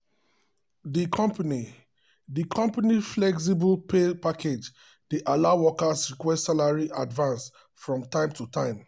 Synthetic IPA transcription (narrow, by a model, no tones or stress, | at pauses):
dikʰɔ̃mpani | dikʰɔ̃mpaniflɛks̬ibəlpepakʰed͡ʒ | deʔalaʊwɔkasɹikwɛstsalaɹiʔadvãns | fɹɔ̃mtãɪ̃mtʰutãɪ̃m